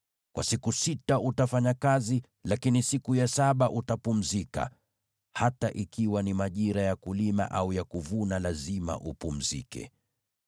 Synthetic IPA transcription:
kwa̰sikusitaʔutafaɲakazi | lakinisikujasaɓaʔutapum̩zika̰ | hataʔikiwanimaʄiɾajakulima̰ʔaujakuvunalazima̰ʔupum̩zḭkɛ̰

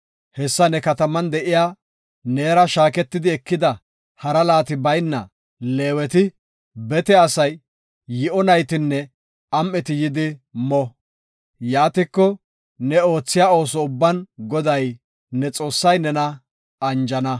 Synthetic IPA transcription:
hɛsːɐnɛkɐt̪ɐmɐnd̪ɛʔɪjaː | neːɾɐʃaːkɛt̪ːɪd̪ɪɛkːɪd̪ɐ | hɐɾɐlaːt̪ɪbɐjnːɐ̰ | leːwɛt̪ɪ | bɛt̪ɛɐsɐjː | ɪʔɔnɐjt̪ɪnːɛ | ɐmːɛt̪ɪjɪd̪ɪmɔ | jaːt̪ɪkːɔ | nɛo̞ːt͡sːɪjaːo̞ːsɔʊbːɐnɡɔd̪ɐj | nɛt͡sʼo̞ːsːɐjnɛnɐ | ɐnd͡ʒɐnɐ

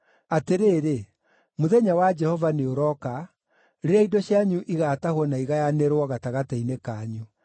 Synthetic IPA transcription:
ateɾeːɾe | moðɛɲawad͡ʒɛhɔvaneoɾɔka | ɾeɾeaidɔɕjaɲuʔiɣatahwɔnaiɣajaneɾwɔɣataɣatɛinekaɲu

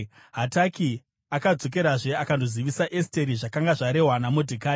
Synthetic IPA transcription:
ɦataki | akad͡zo̞k̬e̞ɾaʐe̞akandoziʋisaʔeste̞ɾiʐakaŋɡaʐaɾe̞ɦwanamodʱikaː

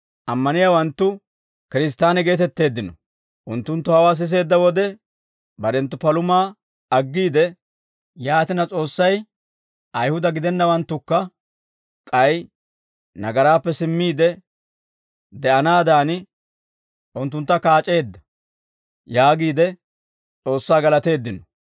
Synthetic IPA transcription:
ʔɐmːɐnɪjaːwɐnt̪ːʊ | kɪɾɪs̬t̪ːaːnɛɡe̞ːt̪ɛt̪ːe̞ːd̪ːɪnɔ̰ | ʔʊnt̪ːʊnt̪ːʊhɐwaːs̬ɪs̬e̞ːd̪ːɐwɔd̪ɛ | bɐɾɛnt̪ːʊpɐlʊmaː | ɐɡːiːd̪ɛ | jaːt̪ɪnɐt͡sʼo̞ːsːɐj | ʔɐjhʊd̪ɐɡɪd̪ɛnːɐwɐnt̪ːʊkːɐ | kʼɐj | nɐɡɐɾaːpːɛsɪmːiːd̪ɛ | d̪ɛʔɐnaːd̪aːnɪ | ʔʊnt̪ːʊnt̪ːɐkaːt͡ʃʼe̞ːd̪ːɐ̥ | jaːɡiːd̪ɛ | t͡sʼo̞ːsːaːɡɐlɐt̪e̞ːd̪ːɪnɔ

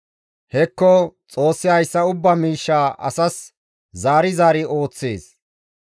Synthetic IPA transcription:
hɛkːɔt͡sʼo̞ːsːɪɐjsːɐʊbːɐmiːʃːaːʔɐ̰sɐs | zaːɾɪzaːɾɪo̞ːt͡sːḛːs

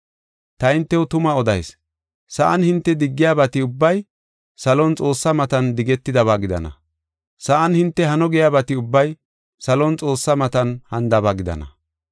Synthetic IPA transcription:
t̪ɐɪnt̪ːɛwʊt̪ʊmɐɔd̪ɐ̰js | sɐʔɐnhɪnt̪ːɛd̪ɪɡːɪjaːbɐt̪ɪʊbːɐj | sɐlɔnt͡sʼo̞ːsːɐmɐt̪ɐnd̪ɪɡɛt̪ːɪd̪ɐβaːɡɪd̪ɐ̰nɐ̰ | sɐʔɐnhɪnt̪ːɛɦɐnɔɡɪjaːbɐt̪ɪʊbːɐj | sɐlɔnt͡sʼo̞ːsːɐmɐt̪ɐnhɐnd̪ɐbaɡɪd̪ɐ̰nɐ̰

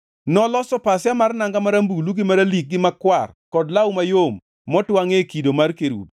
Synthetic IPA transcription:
nɔlɔsɔpasjamarnaŋɡamaɾambuluɡɪmaɾalik̚ɡɪmakwarkɔdlawmajomː | ɔtwaŋekidomarkeɾṵb

